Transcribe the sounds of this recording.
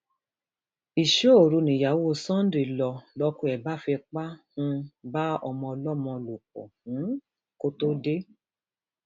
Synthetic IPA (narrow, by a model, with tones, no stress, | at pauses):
i˨ʃo˦o˨ɾu˧nĩ˨ja˨wo˦˧˦sɔ̃˦n˦dɾi˨lɔ˨lɔ˧kũ˧˦ɛ˨ba˦fɛ˧k͡pa˦hũ˧˦ba˦ɔ̰˧mɔ̃˧ɔ˧lɔ˦˨mɔ̃˧lo˨k͡pɔ̰˨hũ˨˦ | ko˦to˦de˦